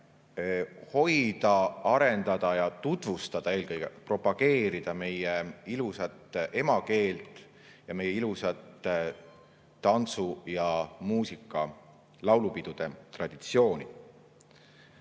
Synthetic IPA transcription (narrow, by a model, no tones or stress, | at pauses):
ho̞jd̪̥ɑɑɾe̞nd̪̥ɑd̪̥ɑjɑt̪ut̪vust̪ɑd̪̥ɑe̞ːlkɤjɡ̥ḛpro̞pɑɡe̞ːɾid̪̥ɑme̞jeilusɑt̪ːˑe̞mɑke̞ːlt̪ˑ | jɑme̞jːeilusɑt̪ː | ɑnt̪sujɑmuːsikːˑɑ | lɑwlupid̪̥ud̪̥e̞t̪rɑd̪̥it̪sio̞ːnʲi